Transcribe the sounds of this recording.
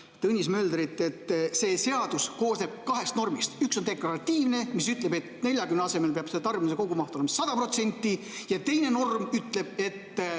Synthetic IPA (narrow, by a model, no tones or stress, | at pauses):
t̪ɤnʲːismø̞ːld̪ɾit̪ːˑe̞t̪ːse̞ːse̞ɑd̪̥usko̞ːsne̞b̥̚kɑɦe̞st̪no̞rmist̪yksond̪e̞klɑɾɑt̪ʲːiːvne̞misyt̪le̞be̞t̪ne̞lʲjɑkymneɑse̞me̞lpeɑb̥set̪ɑrminseko̞ɡumɑht̪olemɑsɑd̪̥ɑpro̞t̪se̞nʲt̪ːˑi | jɑt̪e̞jne̞no̞rmyt̪ˑle̞b̥e̞t̪ː